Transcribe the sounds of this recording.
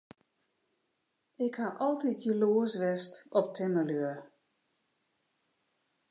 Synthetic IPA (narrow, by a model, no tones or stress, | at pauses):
ɪkhaʔɔlˠtitjəloːəsʋɛstɔp̚tʰɪməløər